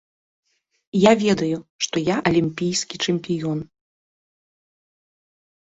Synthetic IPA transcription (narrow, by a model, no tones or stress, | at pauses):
javʲɛd̪ɐjuʂt̪ɔjaʔɐlʲimʲpʲijskʲit͡ʂɛmʲpʲijɔn